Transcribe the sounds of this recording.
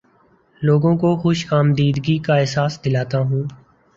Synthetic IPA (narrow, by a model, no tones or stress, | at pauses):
loːɡõːkoxʊʃkaːmd̪iːd̪ɡiːkaɛɦsaːsd̪ɪlaːt̪aːɦũː